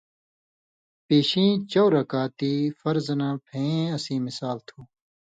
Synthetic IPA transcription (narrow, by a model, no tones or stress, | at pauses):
peːɕĩːt͡ɕowɾɐkaːt̪iːfɐɾznãːpʰẽːɐsĩːmɪsaːlt̪ʰuː